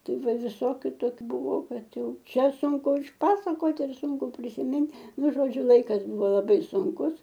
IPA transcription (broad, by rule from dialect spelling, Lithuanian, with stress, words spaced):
ˈtɐɪ ˈʋɐ ʋʲɪˈsoːkʲʊ ˈtoːkʲʊ ˈbʊʋoː ˈkɐt ˈjɛʊ ˈt͡ʃʲɛ ˈsʊŋkʊ ɪʃˈpɑːsɐkoːt ɪr ˈsʊŋkʊ pʲrʲɪsʲɪˈmʲɪnt ˈnʊ ʒoːˈd͡ʒʲʊ ˈlˠɐɪkɐs ˈbʊʋoː lˠɐˈbɐɪ sʊŋˈkʊs